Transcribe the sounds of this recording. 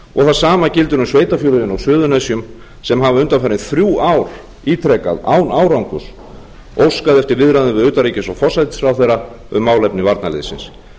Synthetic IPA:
ɔ̰ɣθaðsaːmacɪlt̪ʏɾʏmsveːjt̪afjɔːlʏðɪnɔɣsʏːðʏnɛsjʏm | sɛmɦavaʏnt̪anfɛːɾɪnθɾjuawɾ̥ | iːt̪ʰɾɛka̰ða̰ːwnaːwɾawŋkʏs | owskaðɛft̪ɪɾvɪðɾaðʏnvɪðʏːt̪aɾiːcɪsɔfɔsajt̪sɾawθejra | ʏ̰mːaːwlɛpnɪvaɾt̪nalḛːðɪsɪ̰ns

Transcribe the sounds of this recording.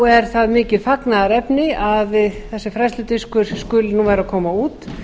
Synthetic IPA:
ɛɾ̥θaðmɪːcɪðfaknaðaɾɛpnɪavθɛsːɪfɾast̪lʏt̪ɪskʏɾ̥skʏlnuːvɛːɾakʰɔːmauːt̪

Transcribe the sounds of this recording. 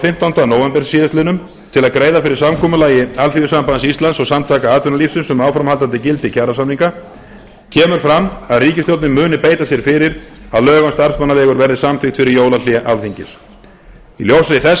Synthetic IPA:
fɪm̥t̪awnt̪anoːwɛmpɛɾ̥ssiːðɪst̪ɪnʏm | t̪ʰɪlaðkɾeːjðafɪɾɪɾ̥samkʰɔːmʏlaːjɪalθiɣʏsampansist̪lansɔɣsamt̪ʰaːkaaːt̪ʏnalifsʏnsɛmaːwfɾamalt̪ant̪ɪcɪlt̪ɪcʰaːɾasamniŋka | cʰɛːmʏɾ̥fɾamaðriːcɪst̪jowt̪nɪmʏːnɪpeːjt̪asjɛɾ̥fɪɾɪɾ | aðlœːɣanst̪aɾ̥smanːalɛːɣʏɾvɛɾðɪsamfɪxt̪fɪɾɪɾjoːwlaljɛʔalθiɲcɪ̰s | iljowsɾɪθɛs

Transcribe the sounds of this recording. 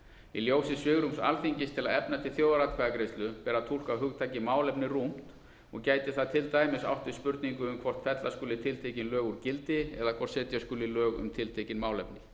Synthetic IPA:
iljoːwsɪsvɪɣɾʏmsa̰lθiɲcɪst̪ʰɪlaðɛpnat̪ʰɪlθjowðaɾat̪kʰvaɣakɾejst̪lʏpɛːɾat̪ʰul̥kawɦʏɣt̪ʰaːjcɪmaːwlɛpnɪrum̥t̪ | ɔɣcaːjt̪ɪθaðt̪ʰɪlt̪aːjmɪsa̰wht̪ɪ̥spʏɾt̪niŋkʏʏmkʰvɔr̥t̪fɛt̪laskʏːlɪt̪ʰɪlt̪ʰecɪnlœːɣʏɾcɪlt̪ɪɛðakʰvɔr̥t̪sɛːt̪jaskʏːlɪlœːɣʏ̰mt̪ʰɪlt̪ʰecɪnmaːwlɛpnɪ

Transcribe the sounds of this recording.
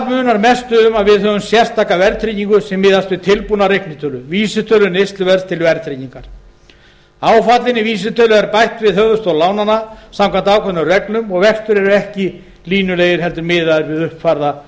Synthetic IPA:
mʏːnaɾmɛst̪ʏʏmaðvɪðɦœːvʏmsjɛr̥st̪ʰaːkavɛɾt̪ʰɾiciŋkʏsɛmːɪːðast̪vɪðt̪ʰɪlpunaɾehknɪt̪ʰœlʏviːsɪt̪ʰœlʏnest̪lʏvɛɾst̪ʰɪlvɛɾt̪ʰɾiciŋkaɾ̥ | aːwfat̪lɪnɪviːs̬ɪt̪ʰœːlʏɛɾpajht̪vɪðhœɣvðʏst̪olaːwnanːasamkʰant̪aːwkʰɛnarɛklʏmɔɣvɛkst̪ʏɾɛɾʏɛhcɪ | liːnʏlejðɪɾ̥ɦɛl̪t̪ʏɾmɪːðaðʏɾvɪðʏhpfaɾða

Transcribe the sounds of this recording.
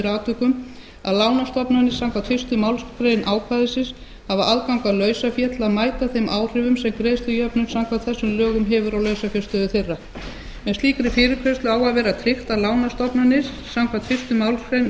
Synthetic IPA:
ɾaːt̪ʏkʏm | a̰ðlaːwnast̪ɔpnanɪssaŋkʰvat̪fɪ̥st̪ʏmawlskɾejnʔaːwkʰvaðɪsɪs | havaʔaðkawŋkalœːɥsafjɛt̪laðmaːjt̪aθejmʔaːwr̥ɪvʏmsɛmkɾeːjst̪ʏjœpnʏnsawŋkʰvat̪θɛsːʏmlœːɣʏmɦɛvʏɾawlœɥsafjɛst̪ʏðʏθejrːa | mɛðst̪iːkɾɪfɪːɾɪkʰvœst̪lʏaːwaðvɛːɾat̪ʰɾɪxt̪alaːwnast̪ɔpnanɪs | samkʰvat̪fɪst̪ʏmawlskɾejn

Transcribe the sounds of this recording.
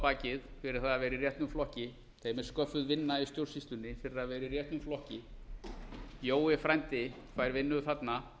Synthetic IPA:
paːcɪðfɪɾɪɾ̥θaavɛːɾɪirjɛht̪nʏmflɔhcɪ | θejmɛ̥skœfʏðvɪnːaist̪jowr̥sist̪ʏnːɪfɪɾɪɾaðvɛːɾirjɛht̪nʏmflɔhcɪ | joːwɪfɾajnt̪ɪ | faːjɾvɪnːʏʏθat̪na

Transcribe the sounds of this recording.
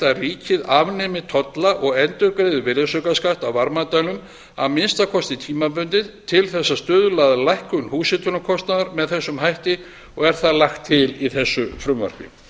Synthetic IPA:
t̪ariːcɪðavnɛmɪt̪ʰɔt̪laʔɔɣɛnt̪ʏɾkɾeðʏvɪɾasœkaskaht̪awvaɾmat̪ajlʏm | a̰ðmɪnst̪akʰɔst̪ɪt̪ʰiːmap̬ʏnt̪ɪðt̪ʰɪlθɛsːast̪œːðʏlaðalajhkʏnhuːsɪt̪ʏnakʰɔst̪naðaɾmɛðθɛsːʏmɦajht̪ɪ | ɔɣɛɾ̥θaðlaxt̪ʰːɪliθɛsːʏfɾʏmvœ̰r̥kɪ̰

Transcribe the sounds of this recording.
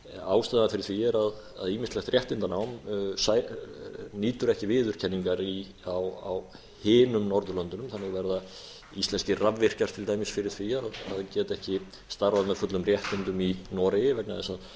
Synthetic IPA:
aːwst̪ɛːðanfɪɾɪɾ̥θviːjɛɾað | a̰ðiːmɪst̪lɛxt̪rjɛht̪ɪnt̪anaːwmsaj | niːt̪ʏɾɛhcɪvɪːðʏɾ̥cʰɛnːiŋkaɾi | awa̰w | hɪːnʏmnɔɾðʏlœnt̪ʏnʏmθanːɪɣvɛɾða | ist̪ɛnscɪravvɪr̥caɾ̥t̪ʰɪlt̪aːjmɪsfɪɾɪɾ̥tʰvijaɾaðaðcɛːt̪ɛhcɪ | st̪aɾvaðmɛðfʏt̪lʏmrjɛht̪ɪnt̪ʏminɔːɾɪjvɛknaðɛnsað

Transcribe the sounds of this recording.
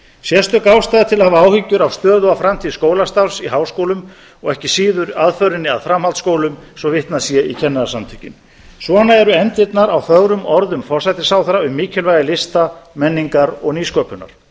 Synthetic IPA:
sjɛst̪ʏkaːwst̪ajðat̪ʰɪlahavaaːwhʏcːʏɾawst̪œːðʏafɾamt̪ʰiːðskoːwlast̪awsiɦaːwskowlʏm | ɔɣɛhcɪsiːðʏɾaðfœɥɾɪnːɪa̰ðfɾamhalt̪skoːwlʏmsɔvɪht̪nasjɛicʰɛnːaðasamt̪ʰʏcːɪ̰n | svɔnaɛɾʏɛnt̪ɪt̪naɾawθœɣɾʏmɔɾðʏmfɔrsajt̪ɪsawθaɾaʏmːiːcʰɛlvajðɪlɪst̪amɛnːiŋkaɾɔɣniːskœːpʏna̰ɾ̥

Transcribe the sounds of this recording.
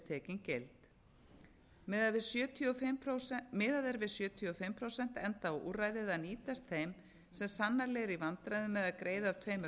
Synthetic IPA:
t̪ʰɛːcɪncejlt̪ | mvɪsjʏːt̪ʰiɔ | mɪːðaðɛɾvɪðsjʏːt̪ʰiɔfɪmpʰɾowsɛn̥t̪ɛnt̪aɔʔṵːrajðɪðaniːt̪ast̪θejm | sɛmsanːaɾlɛɣɾivant̪ɾajðʏmːɛðaðkɾʔeːjðat̪ʰveːjmʏ

